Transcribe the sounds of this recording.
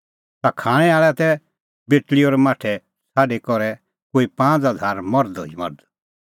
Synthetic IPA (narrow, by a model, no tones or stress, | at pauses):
t̪akʰaːɽ̃ɛaːɭɛt̪ɛ | beːʈliɔːɾɛmaːʈʰɛ | saːɖekɔɾɛ | koːipãːd͡zɦad̪ʱaːɾmɔɾd̪o̰imɔ̰ɾd̪